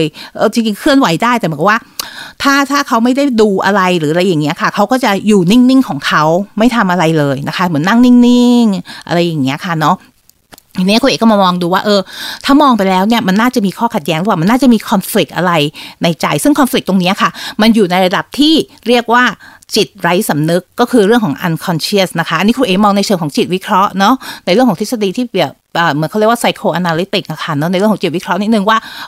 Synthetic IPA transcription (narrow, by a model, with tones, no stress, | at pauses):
jʔɤː˧t͡ɕi˧ŋt͡ɕi˧ŋkʰɯ˥˩ənwa˨˩˦jdaː˥˩jt̪ɛ˨˩mɨ˨˦˨waː˥˩t̪ʰaː˥˩t̪ʰaː˥˩kʰa˦˥wma˥˩jda˥˩jduː˧ʔa̰˧ɾa˧jɾɯː˩˦˧ɾa˧jːa˨˩ŋːi˦˥ɐkʰa˥˩kʰa˦˥wkɔː˥˩t͡ɕa˨˩juː˨˩ni˥˩ŋni˥˩ŋkʰɔː˩˦ŋkʰa˦˥wma˥˩jt̪ʰa˧mʔa˧ɾa˧jlɤː˧jna˦˥kʰa˦˥mɯ˩˦əna˥˩ŋni˥˩ŋni˥˩ŋʔa̰˧ɾa˧jːa˨˩ŋːi˦˥ɐkʰa˥˩nɔ˦˥ | i˧ni˦˥ko˧neː˨˩kːɔ˥mː˧mɔː˧ŋduː˧waː˥˩ʔɤː˧t̪ʰaː˥˩mɔː˧ŋpa˧jlɛː˦˥wni˥˩ɐma˧nːaː˥˩t͡ɕa˨˩miː˧kʰɔː˥˩kʰa˨˩t̪̚jɛː˦˥ŋɾpa˨˩ma˧naː˥˩t͡ɕa˨˩miː˧kʰɔ˧nfli˨˩k̪̚ʔa̰˧ɾa˧jna˧jt͡ɕa˧jsɯ˥˩ŋkʰɔ˧nfli˨˩k̚t̪o˧ŋni˦˥ɐkʰa˥˩ma˧njuː˨˩na˧jɾa˧da˨˩p̚t̪ʰiː˥˩ | ɾi˥˩ək̚waː˥˩ | t͡ɕi˨˩t̪̚ɾa˦˥jsa˩˦mnɯ˦˥kːɔː˥˩kʰɯː˧ɾɯ˥˩əŋkʰɔː˩˦ŋʔa̰˧nkʰɔ˧nt͡ɕʰi˥˩əsna˦˥kʰa˦˥ʔniː˦˥kʰu˧ʔeː˨˩mɔː˧ŋna˧jt͡ɕʰɤː˧ŋkʰɔ˩˦ŋt͡ɕi˨˩t̪̚wi˦˥kʰɾɔ˦˥ʔnɔ˦˥na˧jɾɯ˥˩kʰɔ˩˦ŋt̪ʰe˦˥sa˧diː˧t̪ʰiː˥˩i˨˩ | ʔɤː˨˩mɯː˨˦nʰka˥˩ɾi˥˩waː˥˩sa˧jkʰoː˧ʔa˧naː˧li˦˥t̪i˨˩k̚ʔa˧˩kʰa˥˩nɔ˦˥na˧jɾɯ˥˩ŋkʰːɔ˩˦t͡ɕi˨˩wi˦˥kʰɾɔ˦˥ni˦˥t̪̚nɯ˨˩ŋwaː˥˩